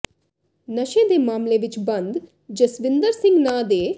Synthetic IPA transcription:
nɐʃẽːd̪eːmaːmleːʋɪt͡ʃbɐ̃nd̪ | d͡ʒɐsʋɪnd̪əɾsɪ̃ŋɡnaːd̪eː

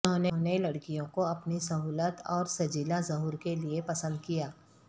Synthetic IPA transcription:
õnenelɐɽkijõkoɐpnisɐɦuːlət̪ɔːɾsɐd͡ʒiːlazɐɦuːɾkeliepɐsə̃nd̪̚kijaː

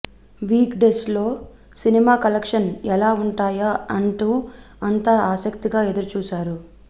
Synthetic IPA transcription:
ʋiːkɖeːslo̞ː | sinimaːkɐlekʂɐnɛlaːuɳʈaːjaɐɳʈuː | ɐnt̪aːaːsɐkt̪iɡaːe̞d̪uɾut͡ʃuːsaːɾu

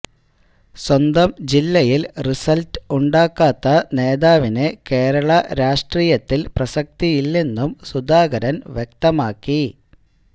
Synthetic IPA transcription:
swɐnd̪ɐmd͡ʑilːɐjilrisɐltɨuɳɖaːkːaːt̪ːɐne̞ːðaːʋineke̞ːɾɐɭɐɾaːʂʈriːjɐt̪ːilprɐsɐk̚t̪ijilːe̞nːumsud̪aːɡɐɾɐnʋjek̚t̪ɐmaːkːi

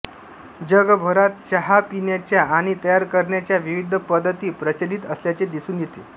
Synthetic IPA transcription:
d͡ʑəɡbʱoɾat̪̚t͡ɕəɦapinjat͡ɕjaaɽ̃it̪əjaɾkəɾɳjat͡ɕjaʋiʋid̪ʱəpəd̪ʱːət̪iːpɾət͡ɕəliːt̪əsljat͡ɕed̪isuːnjet̪e

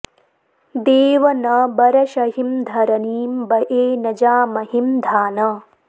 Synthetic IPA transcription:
d̪eːʋɐnɐbɐɾɐʃɐɦimd̪ʱɐɾɐniːmbɐʔeːnɐd͡ʒaːmɐɦimd̪ʱaːnɐ

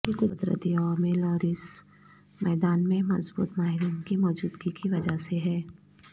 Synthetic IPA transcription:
kiɡʊd̪ɾə̰d̪iɔːɾmɪlɔːɾɪs | mɛːd̪aːnmẽmɐ̰zbṵːt̪maːɦɪɾiːnkimɔːd͡ʒuːd̪ɡikiʋɐd͡ʒaseɦɛː

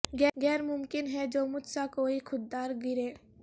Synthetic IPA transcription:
ɡɛːɡɛːɾmʊmkɪnɦɛd͡ʒoːmʊd͡ʒsakoːixʰʊd̪ːaːɾɡɪɾeː

